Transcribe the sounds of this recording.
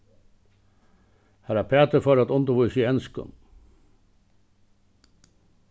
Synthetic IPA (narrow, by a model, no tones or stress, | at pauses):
hæːɾæpʰæːt̪əfɔɾɑt̪ɔnd̪əʋusiɛnskʊ̰n